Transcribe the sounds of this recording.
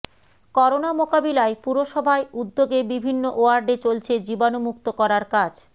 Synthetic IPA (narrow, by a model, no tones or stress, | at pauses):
kɔɾonamokabilaepuɾoʃɔbʱaeud̪ːoɡebibʱinːoʔoaɾɖet͡ɕolt͡ɕʰed͡ʑibanomuk̚t̪okɔɾaɾkad͡ʑ